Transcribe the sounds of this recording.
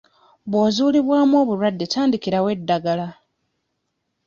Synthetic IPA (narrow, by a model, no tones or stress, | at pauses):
βwo̞ːzuːliβwaːmuo̞ːβuɾwadːetaːndikiɾawe̞dːaɡala